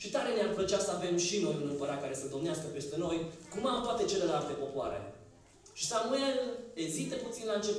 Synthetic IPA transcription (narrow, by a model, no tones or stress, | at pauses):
ʃit̪aɾe̞neamfət͡ʃasəave̞mʃino̞jɨnɨmpəɾat̪̚kaɾe̞səd̪o̞mneaskəpe̞st̪e̞no̞jkumat̪oat̪e̞t͡ʃe̞le̞lalt̪e̞po̞poa̰ɾḛ | ʃi̥sanumaɨeɡzist̪eput̪sinlaɨnt͡ʃe̞p